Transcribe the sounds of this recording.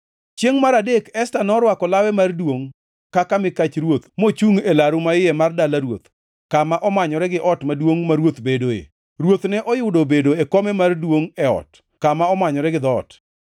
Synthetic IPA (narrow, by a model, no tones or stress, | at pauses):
t͡ʃjeŋmaɾadekɛstanɔɾwakɔlawɛmardwoŋ | kakamɪkat͡ʃɾwot̪mot͡ʃuŋelaɾʊmaɪjɛmardalaɾwot̪ | kamaʔɔmaɲɔɾɛɡɪʔɔtmadwoŋmaɾwot̪bedoḛ | rwot̪nɛʔɔjʊdobedoekɔmɛmardwoŋɛɔ̰t | kamaɔmaɲɔɾɛɡɪd̪ɔ̰ːt